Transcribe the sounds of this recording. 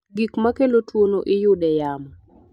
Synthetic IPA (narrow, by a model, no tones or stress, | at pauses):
ɡikmakelotwonoʔɪjʊdɛjamɔ